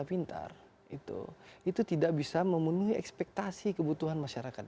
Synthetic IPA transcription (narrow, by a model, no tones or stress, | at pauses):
apint̪a̰r | it̪ṵit̪ut̪idaʔbisaməmənuɦiɛ̰kspɛk̚t̪asikəbut̪uɦanmaʃaɾakat̪̚